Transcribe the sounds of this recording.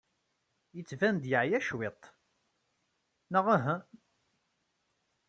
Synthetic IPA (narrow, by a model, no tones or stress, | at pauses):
jət͡sːvænd̪jəʕjæʃwet̪ˤ | nəʁæɦæ